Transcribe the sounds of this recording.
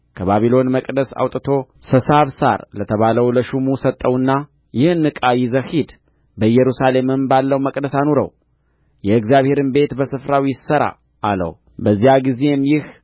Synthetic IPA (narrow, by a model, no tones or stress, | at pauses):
kʰəβaβilo̞nməkʼd̪əsa̰wt̪ʼɨt̪ʰo̞ | səsaβsa̰ɾlət̪ʰəβaləwləʃumusət̪ʼːəwɨnːa | jɪhnːɨkʼajɪzəhid̪ | bəjɛɾusale̞mɨmbalːəwməkʼd̪əsanoɾə̰w | jɛɨɡzijaβhe̞ɾɨnbe̞t̪bəsɨfɾawjɪsəɾa̰ | ʔːlə̰w | bəzːijaɡize̞mjɪh